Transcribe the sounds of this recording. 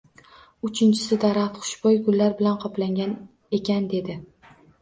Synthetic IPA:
ʊt͡ʃʰɪnt͡ʃʰɪ̥sɪd̪aɾat̪qʰʊ̥ʃbɒjɡʊlːaɾbɪlanqʰɒplaŋɡʲan | e̞kʲʰand̪e̞d̪ɪ

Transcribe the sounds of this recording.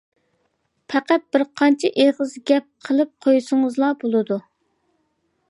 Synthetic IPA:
pʰæqæt̪̚b̥ɪɾqʰɑnt͡ʃʰɛʔeʁəzɡʲɛp̚qʰəlˠɨp̚qʰojusɨŋəzlˠɑbolˠɨd̪u

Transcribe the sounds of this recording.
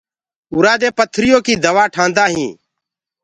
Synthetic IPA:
ʊːɾaːd̪eːpət̪ʰɾɪjoːkiːd̪əʋaːʈʰãːnd̪aːɦĩː

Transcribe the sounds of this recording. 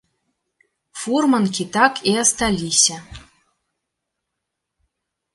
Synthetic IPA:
furmənkʲit̪akʰiast̪alʲːisʲa

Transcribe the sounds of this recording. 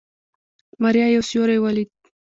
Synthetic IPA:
maɾjɑjawsjoɾejwalit̪̚

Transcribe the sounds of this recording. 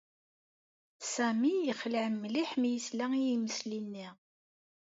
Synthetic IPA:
sæmijəχləʕəmːliħmjəslæŋijiməslinːi

